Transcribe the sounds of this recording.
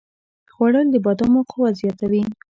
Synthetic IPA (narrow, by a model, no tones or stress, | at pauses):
xwaɽəld̪əbɑd̪ɑmoqowazjat̪awi